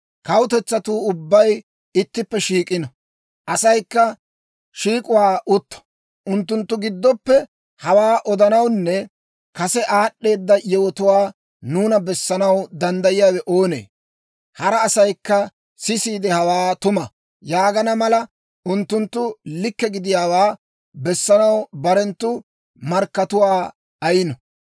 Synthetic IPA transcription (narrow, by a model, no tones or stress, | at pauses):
kɐwʊt̪ɛt͡sːɐt̪uːʊbːɐj | ɪt̪ːɪpːɛʃiːkʼɪnɔ | ʔɐsɐjkːɐ | ʃiːkʼʊwaːʔʊt̪ːɐ̥ | ʔʊnt̪ːʊnt̪ːʊɡɪd̪ːɔpːɛ | hɐwaːʔɔd̪ɐnɐwnːɛ | kɐsɛʔaːɗːe̞ːd̪ːɐjɛwɔt̪ʊwaː | nuːnɐbɛsːɐnɐwd̪ɐnd̪ɐjɪjaːwɛʔoːnḛː | hɐɾɐːsɐjkːɐ | sɪsiːd̪ɛhɐwaːt̪ʊmɐ | jaːɡɐnɐmɐlɐ | ʊnt̪ːʊnt̪ːʊlɪkːɛɡɪd̪ɪjaːwaː | bɛsːɐnɐwbɐɾɛnt̪ːʊ | mɐɾkːɐt̪ʊwaː | ɐjɪnɔ